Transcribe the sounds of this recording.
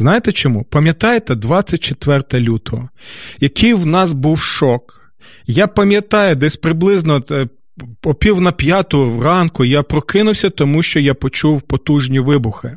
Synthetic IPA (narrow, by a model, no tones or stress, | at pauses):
znɑjet̪ɛt͡ʃɔmupɐmʲjɐt̪ɑjet̪ɛd̪ʋɑt͡sʲːɐt̚ʲt͡ʃet̪ʋɛrt̪ɐlʲut̪ɔɦɔjɐkʰijwnɑsbuwʃɔk | japɐmʲjɐt̪ɑjɛd̪ɛsʲpɾɪblˠɪznɔ | pɔpʲiwnɐpʲjɑt̪ʊwrɑnkʊjapɾɔkɪnʊwsʲɐt̪ɔmuʃt͡ʃɔjapɔt͡ʃuwpɔt̪uʒnʲiʋɪbʊxɪ